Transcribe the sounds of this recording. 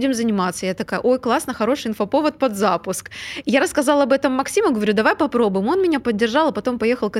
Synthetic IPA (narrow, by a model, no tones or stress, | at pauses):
dʲɪmzənʲɪmat̪səjat̪ɐkajə̰ʔo̞jklˠasnəxɐɾo̞ʂɨjɪnfɐpo̞vət̪̚pɐd̪zapʊskjaɾəskɐzɑlˠɐbɛt̪əmːɐksʲiməɡəvɐɾʲud̪ɐvajpɐpɾo̞bʊjɪmo̞nmʲɪnʲapədʲːɪrʐɑlˠɐpɐt̪o̞mpɐjexəlˠk